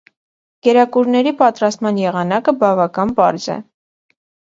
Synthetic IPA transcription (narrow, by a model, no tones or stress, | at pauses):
ɡ̥ɛɾɑkuɾnɛɾipɑt̪ɾɑst̪mɑnjɛʁɑnɑkəbɑvɑkɑnpɑɾzɛ̰